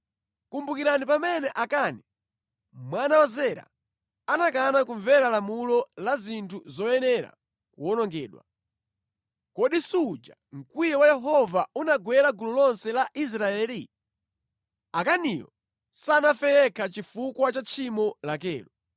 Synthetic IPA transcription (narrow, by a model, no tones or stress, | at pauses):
kumbukiɾanipamɛnɛʔakaːni | mwanawazɛɾa̰ | anakanakuɱvɛɾalamulɔlazintʰuzɔjɛnɛɾa̰ | kuɔnɔŋɡɛːɗwa̰ | kɔɗisud͡ʒa | ŋ̩kwijɛwajɛɦɔvaunaɡwɛɾaɡulɔlɔnsɛlaʔis̬ɾaɛːli | akanijɔ̰ | sanafɛjɛkʰat͡ʃifukwat͡ʃat͡ʃʰimɔlakɛːɾɔ